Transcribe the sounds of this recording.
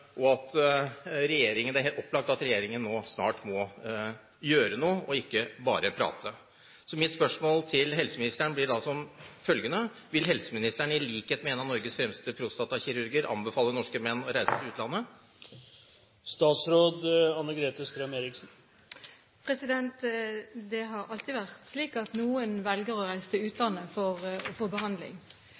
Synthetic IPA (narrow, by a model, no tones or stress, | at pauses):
ʔɔɑt̪ | ɾɛjeːɾɪŋənd̪æɾɦeɔpːlɑk̚t̪ɑt̪ɾɛjeːɾɪŋənːoːsnɑ̰ːʈmɔ | jøːɾənuːəʔɔɪkːəbɑ̰ːɾəpʰɾɑ̰ːt̪ʰə | sɔmɪt̪spœʂmoːlt̪ʰɪlɦɛlsəmɪnɪst̪æɳəblɪɖɑsɔmfœlɡənəʋɪlɦɛlsəmɪnɪst̪æɳəɪliːkheːt̪mɛeːnɑnɔɾɡəsfɾɛmst̪əpʰɾʊst̪ɑt̪ɑçɪɾʉɾɡɪəɾʔɑ̰mbəfɑːlːənɔʂkəmɛnːɔɾæɪsət̪ʰɪʉːt̪lɑnːə | st̪ɑːt̪sɾoːd̪ɑnːəɡɾeːt̪əst̪ɾɛmeːɾɪksn̩ | pʰɾɛsɪd̪ɛnt̪d̪ɛɦɑɾɑlt̪iːʋæʁt̪sliːkɑt̪nuːənʋɛlɡəʁɔɾæɪsət̪ɪʉːt̪ʰlɑnːəfɔʁɔfoːbəɦɑnd̪lɪ̰ŋ